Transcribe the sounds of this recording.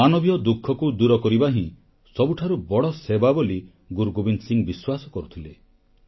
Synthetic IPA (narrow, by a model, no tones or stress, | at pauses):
anɔbijɔd̪ukʰːɔkud̪uɾɔkɔɾibaɦĩ | sɔbuʈʰaɾubɔɽɔsebaboli | ɡuɾɡobinsiŋbiswasɔkɔɾut̪ʰile